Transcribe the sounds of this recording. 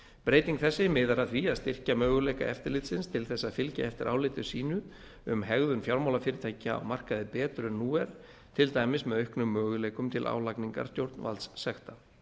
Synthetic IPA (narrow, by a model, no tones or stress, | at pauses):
pɾeːjt̪iŋkθɛsːɪmɪðaɾaðθviaðst̪ɪr̥camœːɣʏlejka̰ʔɛft̪ɪɾlɪːt̪sɪnst̪ʰɪlθɛsːaðfɪlca̰ɛft̪ɪɾʔaːwlɪːt̪ʏ̥siːnʏ | ʏmɦɛɣðʏnfjawɾmawlafɪːɾɪt̪ʰaːjcɪa̰wmar̥kaðɪpɛːt̪ɾʏnːuːɛɾ̥ | t̪ʰɪlt̪aːjmɪsmɛðœɥhknʏmːœːɣʏleːjkʏmt̪ʰɪlʔa̰ːwlakniŋka̰ɾ̥st̪jowɾt̪nva̰lssɛxt̪a